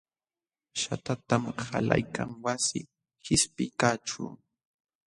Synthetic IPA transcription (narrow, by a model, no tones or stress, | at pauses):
ʃat̪at̪amhala̰jkʰaŋwasɪ | hɪspɪkaːʈ͡ʂʊ